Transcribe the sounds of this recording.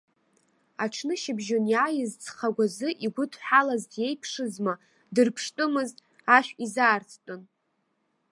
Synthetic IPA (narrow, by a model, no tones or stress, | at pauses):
aʈ͡ʂʰnɨʃɪbʒonjaːjɪzt͡sʰʼχaɡʷazɨʔiɡʷʊtʰʼħalazdje̞jpʰʂɨzma | dɨrpʰʂtʼɨmɨztʼ | aʃᶣizaːrt͡sʰtʷʼon